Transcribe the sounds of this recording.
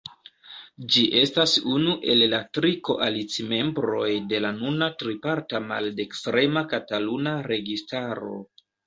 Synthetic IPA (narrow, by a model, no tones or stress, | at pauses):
d͡ʒiʔe̞stasunuʔe̞lːatɾiko̞ʔalit͡sime̞mbɾo̞jde̞lanunatɾipaɾtamalde̞kstɾe̞makatalunaɾe̞ɡistaɾo̞̰